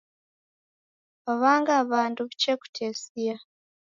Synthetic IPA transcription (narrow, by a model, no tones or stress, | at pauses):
βaβaːŋɡaːβaːnduβut͡ʃeku̥tʰeːsija